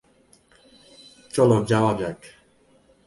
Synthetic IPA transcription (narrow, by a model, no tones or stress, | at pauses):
t͡ʃʼɔlɔd͡ʒavabjakʰ